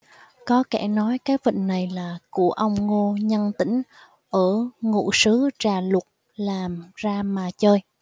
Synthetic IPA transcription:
kɔ˨˦kɛ˧˩nɔ˨˦jkaː˨˦jvə̰˧˨ŋ̟na˨˩jlaː˨˩ku˧˩əʔə˧wŋ͡mŋo˧ɲə˧nt̪ï˧˥ŋ̟ | ʔəː˧˩ŋṵ˧˨sɨ˨˦t͡ɕaː˨˩lʊ˨˩t̚ | laː˨˩mzaː˧maː˨˩t͡ɕəː˧j

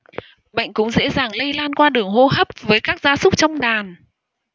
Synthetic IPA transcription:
ɓə̰˧˨jŋ̟kʊ̰˧˥ŋ͡mzḛ˧˥zaː˨˩ŋlə˧jlaː˧nkwaː˧ɗɨ˨˩əŋho˧ɦə˦˥p̚vəː˨˦jkaː˦˥k̚z̥aː˨˦sʊ˦˥k͡p̚t͡ɕɔ˧wŋ͡mɗaː˨˩n

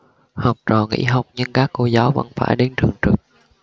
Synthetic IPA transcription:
hɔ˨˩wk͡p̚t͡ɕɔː˨˩ŋḭ˧˥ɦa˨˩wk͡p̚ɲɨ˧ŋkaː˦˥kːo˧˩zaː˨˦wvə̰˧˥nfaː˧˩jɗe˨˦nt͡ɕɨ˨˩əŋt͡ɕɨ˨˩k̚

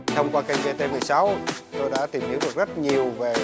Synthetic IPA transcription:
t̪ʰə˧wŋ͡mkwaː˧ka˧jŋ̟ve˧t̪e˧mɨ˨˩əjsa˨˦wt̪o˧jɗa̰ː˧˥t̪i˨˩mhi˨˦əŋ͡mɗɨ˨˩k̚zə˦˥t̚ɲi˨˩əwve˨˩

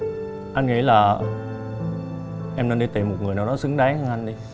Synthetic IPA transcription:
ʔa˧jnŋḭ˧˥laː˨˩ | ʔɛ˧mnə˧nɗi˧t̪i˨˩mo˨˩ŋɨ˨˩əjnaː˨˩wɗɔ˨˦sɨ˨˦ŋɗaː˨˦ŋhə˧ŋʔa˧nɗi˧

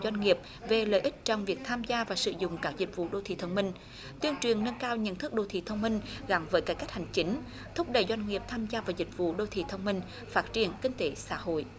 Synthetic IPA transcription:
zwa˧jŋ̟ŋi˨˩əp̚ | ve˨˩ləː˧˨jʔi˦˥k̚t͡ɕɔ˧wŋ͡mvi˨˩ək̚t̪ʰaː˧mzaː˧vaː˨˩sɨ̰˧˩zʊ̰˧˨ŋ͡mkaː˦˥k̚zï˨˩k̟̚vṵ˧˨ɗo˧˩t̪ʰḭ˧˨˩t̪ʰə˧wŋ͡mmï˧ŋ̟ | t̪wi˧əŋt͡ɕwi˨˩ənnə˧nkaː˧wɲə̰˧˥˨nt̪ʰɨ˦˥k̚ɗo˧t̪ʰḭ˧˨t̪ʰə˧wŋ͡mmï˧ŋ̟ɣa˨˦mvəː˨˦jka˨˦ka˦˥jk̚ha˨˩jŋ̟t͡ɕi˨˦ŋ̟ | t̪ʰʊ˦˥k͡p̚ɗə˧˩jzwa˧jŋ̟ŋi˨˩əp̚t̪ʰaː˧mzaː˧vaː˨˩zï˨˩k̟̚vṵ˧˨ɗo˧˩t̪ʰḭ˧˨t̪ʰə˧wŋ͡mmï˧ŋ̟ | faː˦˥t̚t͡ɕi˨˩ənkï˧ŋt̪e˨˦sa̰ː˧˥ɦo̰˧˨jʔ

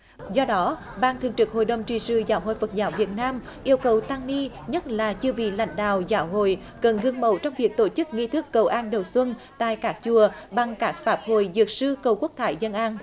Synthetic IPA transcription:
zɔ˧ɗɔ˨˦ | ɓaː˧nt̪ʰɨ˨˩əŋt͡ɕɨ˨˩k̚ho̰˧˨jɗə˨˩wŋ͡mt͡ɕi˨˩sɨ̰˧˩zaː˧˦wɦo̰˧˨jfə˨˩t̚zaː˨˦wvi˨˩ət̚naː˧m | ʔi˧əwkə˨˩wt̪aː˧ŋni˧ | ɲə˦˥t̚laː˨˩t͡ɕɨ˧əvḭ˧˨la̰˧˦jŋ̟ɗa̰ː˧˨wzaː˨˦wɦo̰˧˨j | kə˨˩nɣɨ˧ŋmə̰˧˩wt͡ɕɔ˧wŋ͡mvi˨˩ək̚t̪o˧˩t͡ɕɨ˦˥k̚ŋi˧t̪ʰɨ˦˥kːə˨˩wʔaː˧nɗə˨˩wswə˧nt̪a̰ː˧˨jkaː˦˥k̚t͡ɕu˨˩əɓa˨˩ŋkaː˦˥k̚faː˦˥p̚ho̰˧˨jzɨ˨˩ək̚sɨ˧kə˨˩wku˦˥ək̚t̪ʰaː˧˩˦jzə˧nʔaː˧n

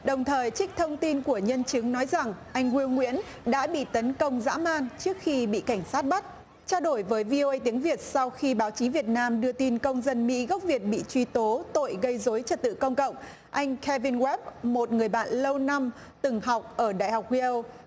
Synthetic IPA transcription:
ɗə˨˩wŋ͡mt̪ʰəː˨˩jt͡ɕk̟̚t̪ʰə˧wŋ͡mt̪i˧nku˧˩əɲə˧nt͡ɕɨ˨˦ŋnɔ˨˦jza˨˩ŋʔa˧jŋ̟ɣwi˧ə˧wŋwḭ˧˥ən | ɗa̰ː˧˥ɓḭ˧˨t̪ə˨˦nkə˧wŋ͡mza̰ː˧˥maː˧nt͡ɕɨ˦˥ək̚xi˧ɓḭ˧˨ka˧˩jŋ̟saː˦˥t̚ɓa˦˥t̚ | t͡ɕaː˧wɗo˧˩jvəː˨˦jvi˧ʔo˧ʔə˧jt̪i˨˦əŋvi˨˩ət̚sa˧wxi˧ɓaː˨˦wt͡ɕi˨˦vi˨˩ət̚naː˧mɗɨ˧ət̪i˧nkə˧wŋ͡mzə˧nmḭ˧˥ɣə˦˥k͡p̚vi˨˩ət̚ɓḭ˧˨t͡ɕwi˧t̪o˨˦t̪o̰˧˨jɣə˧jzo˨˦jt͡ɕə˨˩t̚t̪ɨ̰˧˨kə˧wŋ͡mkə̰˧˨wŋ͡m | ʔa˧jŋ̟kʰɛ˧vi˧nɣwɛ˦˥p̚mo˨˩t̚ŋɨ˨˩əjɓa̰ː˧˨nlə˧wna˧m | t̪ɨ˨˩ŋɦa˨˩wk͡p̚ʔəː˧˩ɗa̰ː˧˨jha˨˩wk͡p̚wi˧ə˧w

